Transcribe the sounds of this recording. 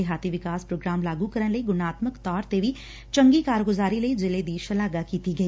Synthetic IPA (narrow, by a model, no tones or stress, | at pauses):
eɦaːt̪iːʋɪkaːspɾoːɡɾaːmlaːɡuːkəɾənləiɡʊnaːt̪məkt̪ɔːɾt̪eːʋiː | t͡ʃəŋɡiːkaːɾɡʊzaːɾiːləiːzɪleːd̪iːʃəlaːɡaːkiːt̪iːɡəiː